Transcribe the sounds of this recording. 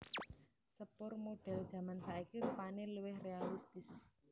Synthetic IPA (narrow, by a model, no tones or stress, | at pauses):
səpʊrmoɖ̥ɛ̤ld̥ʒ̥a̤mansaikiɾupaneluwɪhrealist̪ɪs